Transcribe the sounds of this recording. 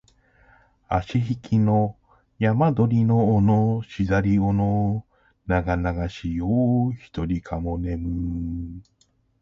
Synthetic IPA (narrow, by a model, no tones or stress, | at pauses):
a̰ɕiɦikʲino̞ | jamad̪o̞ɾʲino̞ːnoɕizaɾʲiono | naɡanaɡaɕijoːçi̥t̪o̞ɾʲikʰamone̞mɯ